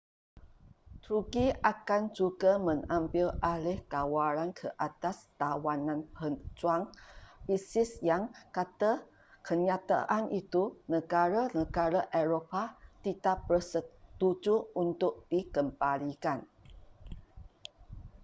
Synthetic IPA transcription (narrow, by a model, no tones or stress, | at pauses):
t̪ɾuɡiakand͡ʒuɡamə̃ŋãmbɪlalɪhkawaɾankʰəʔat̪ast̪awanãnpət͡ʃuaŋbisɪsjaŋkat̪a | kʰəɲat̪a̰ʔanʔit̪unəɡaɾanəɡaɾaʔeɾopat̪it̪ap̚bərsət̪ud͡ʒuunt̪ʊk̚d̥ikəmbalikan